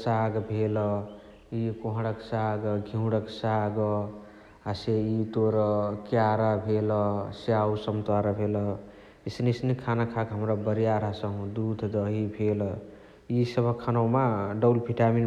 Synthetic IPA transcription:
saɡbʱelɔ | ikoɦɽəksaɡɡʱiũɽəksaɡɔ | aseit̪oɾɔkjaɾabʱelɔseausəmt̪waɾabʱelə | isnesnekʰanakʰakɦəmɾabəɾijaɾasəɦũd̪ud̪ʱd̪əɦibʱel | isəbʱkʰanomaɖəwlpʰiʈamin

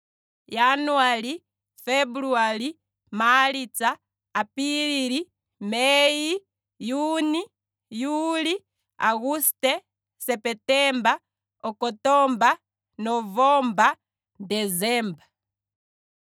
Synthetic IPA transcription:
januali | fɛbuɾuali | malit͡saː | piliɾi | mɛji | juni | juli | a̰ɣustɛ | sɛpɛtɛmba | ɔkɔtɔmba | nɔvɔmba | dɛzɛmba

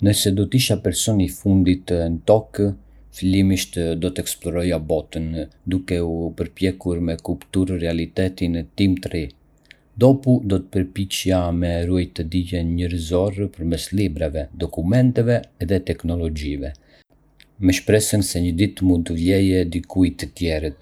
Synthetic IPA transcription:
nəsɛd̪ɔt̪iʃapɛɾsɔnifund̪it̪nt̪ɔk | filimiʃt̪d̪ɔt̪əɛksplɔɾɔjabɔt̪ənd̪ukɛupəɾpjɛkuɾmɛkupt̪uɾrɛalit̪ɛt̪int̪imt̪ri | d̪ɔpud̪ɔt̪ə̥pəɾpit͡ɕjamɛɾujt̪əd̪ijɛnɲəɾzɔɾpəɾmɛslibɾavɛd̪ɔkumɛnt̪ɛvɛɛðɛt̪ɛknɔlɔd͡ʑivɛ | mɛʃpɾɛsənsɛɲəd̪it̪munt̪əvlɛjɛd̪ikujt̪ət̪jɛɾət̪̚

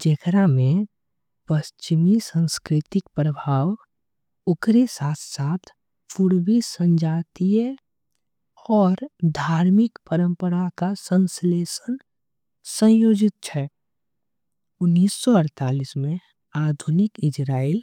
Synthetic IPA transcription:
d͡ʒekʰɾamẽ | pəst͡ʃɪmisə̃nskɾɪt̪ɪkpɾəbʱaːw | ʊkɾesaːt̪ʰsaːt̪ʰ | pʊɾbisə̃ɲd͡ʒaːt̪ijə | ɔːɾd̪ʱaːɾmɪkpəɾə̃mpəɾakasə̃nsleːsən | sə̃joːd͡ʒɪt̪̚t͡ʃʰɛː | ʊnːiːsːɔəɾt̪aːlismẽ | aːd̪ʱʊnɪkɪd͡ʒɾaːil

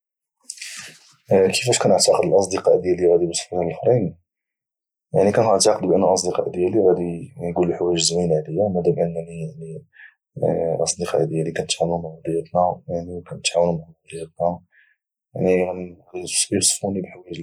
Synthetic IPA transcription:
kʰəfæʃkænəʕt̪æqəd̪əlʔɑs̬ˤd̪əqɑʔd̪əjæliɣæd̪ibsˤfunæləlfɾˤin | jaʕnikænæʕt̪qəd̪bʔənːuʔɑs̬ˤd̪əqɑʔd̪jːæliɣæd̪ijɡulħwæʒəzwinʕləjːæmæd̪æbʔənːænijaʕni | ʔɑsˤd̪əqɑʔd̪əjælikænət̪ʕamlumaʕd̪ˤijət̪næjaʕniwkænət̪ʕawənumʕmd̪ijət̪næ | jaʕninɣd̪isˤbibsˤfunibħwæʒ

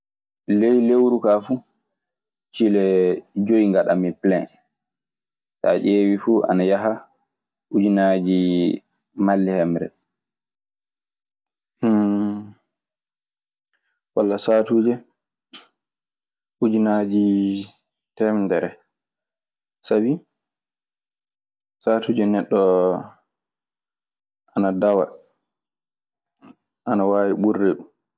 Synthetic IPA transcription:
lejlewɾukafu | t͡ʃilɛd͡ʒojiŋɡaɗamiplɛn | taʔeːwifuːʔa̰najaɦa | ʔud͡ʒinad͡ʒi | malːihɛmɾɛ̰ | h | walːasaːtuːd͡ʒɛ | ud͡ʒinad͡ʒi | tɛmndɛɾɛ | sabi | saːtʰud͡ʒɛnɛɗːɔ | ʔanadawa | ʔanawaːjiɓuɾːeu

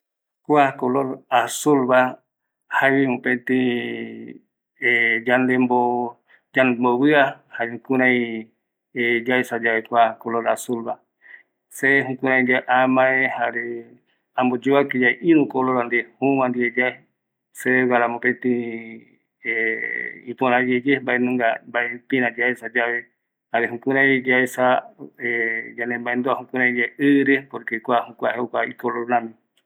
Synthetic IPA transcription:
kwahkoloɾasulβa | hajβimõpet̪ĩ | ed͡ʒand̪embo | d͡ʒanmboβɨahaɾehũkuɾãj̃ | ed͡ʒaesad͡ʒaekwahkoloɾasulβa | seɦũkuɾãj̃d͡ʒaʔamãehaɾe | ambod͡ʒuakejaʔiɾũkoloɾand̪ehũwãnd̪ied͡ʒa | seɡaɾamopet̪ĩ | ipõɾãd͡ʒed͡ʒembaenũŋɡambaepiɾãd͡ʒaesad͡ʒaβe | haɾehũkuɾãβid͡ʒaesaejanẽmbaend̪uahũkuɾãĩɡaɨɾepoɾkekʷahũkuaheokʷaikoloɾonãmĩ

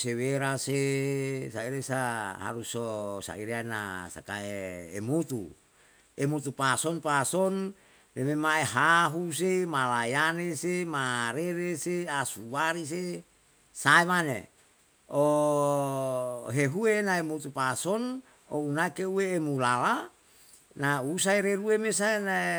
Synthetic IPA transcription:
seweɾase | saiɾesaɦa̰ɾusosa̰iɾeana̰sa̰kaḛːmut̪u | emut̪upasonpason | mememaeɦaɦus̬emalajanesemaɾeɾeseasuwaɾis̬e | saemanḛ | o | ɦeɦuenaemot̪upasɔn | ounakeueːmulala | nausaeɾeɾuemesaenae

